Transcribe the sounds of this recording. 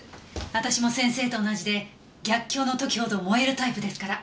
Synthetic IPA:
βat̪aɕimo̞sẽ̞ɰ̃se̞ːt̪o̞ːnaʑid̪e̞ | ɡʲakʲːo̞ːno̞t̪o̞kʲi̥ho̞d̪o̞ːmo̞e̞ɾɯ̟t̪aipɯ̟d̪e̞sɨ̥kaɾa

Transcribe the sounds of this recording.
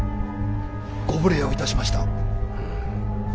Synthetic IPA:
ɡ̥obɯ̟ɾeoit̪aɕimaɕi̥t̪a

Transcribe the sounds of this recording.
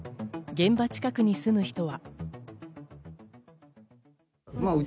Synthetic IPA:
ɡẽ̞mbat͡ɕi̥kakɯ̟ɲ̟isɨmɯ̟çi̥t̪o̞βa | a

